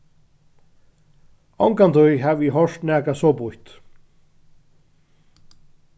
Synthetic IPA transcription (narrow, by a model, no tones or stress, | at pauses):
ɔwŋkant̪ʰʊjɦaviɦɔʂt̪næːkasɔːpʊht̪